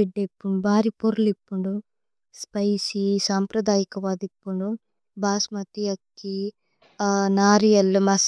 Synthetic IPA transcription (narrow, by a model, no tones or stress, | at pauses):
eɖːepːuɳɖubʱaːɾipoɾulipːuɳɖu | spɐjsisaːmpɾɐd̪aːjikɐʋaːd̪ipːuɳɖu | bʱaːsmɐt̪ijɐkːi | naːɾijɐlmɐs